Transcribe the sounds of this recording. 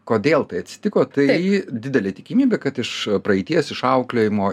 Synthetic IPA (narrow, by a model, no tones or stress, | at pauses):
koːd̪ʲeːlˠt̪ɐɪɐt̪ʲsʲɪ̥t̪ʲɪkoːt̪ɐɪd̪ʲɪd̪ʲɛlʲeːt̪ʲɪkʲɪmʲiːbʲeːkɐt̪ɪʃpɾɐɛɪt̪ʲiɛsɪʃɐʊklʲoːjɪmoː